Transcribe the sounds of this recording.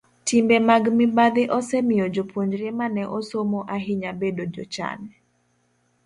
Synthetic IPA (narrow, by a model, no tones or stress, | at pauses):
timbemaɡmɪbad̪ɪʔɔsɛmɪjod͡ʒopwoɲd͡ʒɾemanɛʔosomoʔaɦɪɲabedod͡ʒo̰t͡ʃa̰nɛ